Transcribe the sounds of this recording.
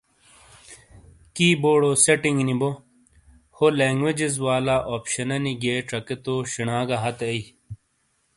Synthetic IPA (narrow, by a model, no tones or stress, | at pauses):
kiːboːɽoseʈiŋɡnibo | holeːŋɡwed͡ʑizwaːlaːʔoːpɕɐnɐniɡeːʈɐket̪oːɕiɳaːɡɐɦɐt̪ei